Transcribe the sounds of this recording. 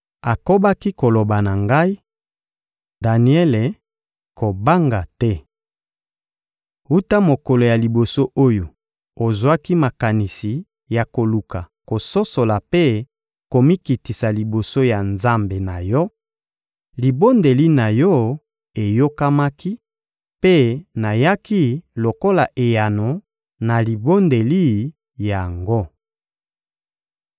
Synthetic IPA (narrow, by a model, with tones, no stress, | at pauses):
a˨ko˦ba˦ki˦ko˨lo˨ba˨na˨ŋɡa˦i˦ | da˨ni˨ɛ˦le˨ | ko˨ba˦ŋɡa˨tɛ˦ | u˦ta˦mo˨ko˨lo˨ja˨li˨bo˨so˦ʔo˦jo˨ | o˨zwa˦ki˦ma˨ka˨ni˨si˨ | ja˨ko˨lu˨ka˨ | ko˨so˦so˨la˨pe˦ | ko˨mi˦ki˨ti˨sa˨li˨bo˨so˦ja˨nza˦mbe˨na˨jɔ˦ | li˨bo˦nde˨li˦na˨jɔ˦ | e˨jo˦ka˦ma˦ki˦ | pe˦na˨ja˦ki˦lo˨ko˦la˨ʔe˨ja˨no˨ | na˨li˨bo˦nde˨li˦ | ja˨ŋɡo˦